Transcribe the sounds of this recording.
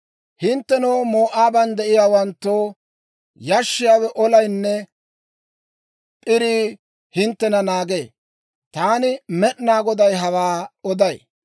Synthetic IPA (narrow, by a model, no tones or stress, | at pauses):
hɪnt̪ːɛnoːmoːʔaːbɐnd̪ɛʔɪjaːwɐnt̪ːoː | jɐʃːɪjaːwɛʔɔlɐjnːɛ | pʼɪɾiː | hɪnt̪ːɛnɐnaːɡeː | t̪aːnɪmɛɗnaːɡɔd̪ɐjɦɐwaːɔd̪ɐj